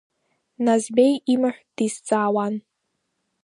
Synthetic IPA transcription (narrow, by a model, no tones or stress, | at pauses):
nazbejimaħʷᶣd̥ist͡sʼaːwan